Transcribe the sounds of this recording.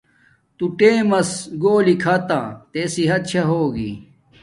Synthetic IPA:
t̪uʈẽːmɐsɡoːlikʰɐt̪ãːt̪esiɦɐt̪̚t͡ɕʰɐɦoːɡḭ

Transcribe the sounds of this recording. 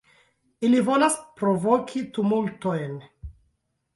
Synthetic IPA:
ilivo̞laspɾovokʰit̪umultojn

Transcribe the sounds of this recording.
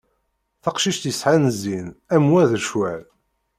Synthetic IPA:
θɑqʃiʃt̪jəsħanəzinæmwæðəʃwæl

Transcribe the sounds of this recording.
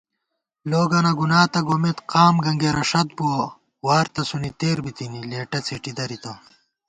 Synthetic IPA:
loːɡɐnɐɡunaːt̪ɐɡoːmet̪qaːmɡɐŋɡeːɾɐʂɐt̪̚buwɐ | waːɾt̪ɐsunit̪eːɾbit̪inileːʈɐt͡sʰeʈid̪ɐɾit̪ɐ

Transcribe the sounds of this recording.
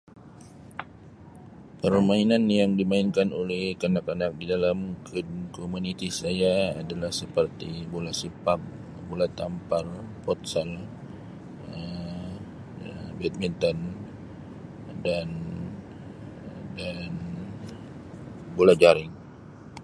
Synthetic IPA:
pərmainanjaŋdimainkanolɛhkanakanak̚didalamkunkomunit̪isajaadalahsəpərt̪ibolasipap̚ | bolat̪amparpɔt̪sal | ə | bɛt̪̚mint̪ɔn | dan | dan | bolad͡ʒaɾɪŋ

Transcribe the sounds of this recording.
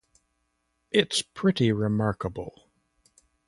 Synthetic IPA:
ʔɪtspʰɹ̥ɪɾiɹɪmɑɹkəbl̩ˠ

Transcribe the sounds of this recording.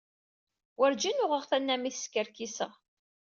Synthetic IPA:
wəɾd͡ʒinʊʁəʁθænːæmiθskəɾkisə̰ʁ

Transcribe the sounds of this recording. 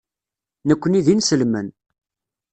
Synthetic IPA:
nəkʷːəniðinsəlmən

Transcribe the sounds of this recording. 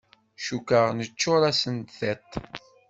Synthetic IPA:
ʃukəʁnət͡ʃːʊɾæsənt̪θet̪ˤ

